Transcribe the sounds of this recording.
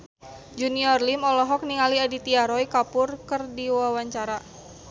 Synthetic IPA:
d͡ʒuniɔrlimɔlɔɦɔk̚niŋaliadit̪iaɾɔikapʊrkərdiwawaɲt͡ʃaɾa

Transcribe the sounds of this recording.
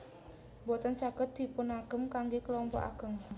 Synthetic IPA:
bɔt̪ant͡ʃaɡ̥ət̪̚d̪̥i̤pʊnaɡ̥əmkaŋɡekəlɔmpɔ̰ʔa̰ɡ̥ə̤m

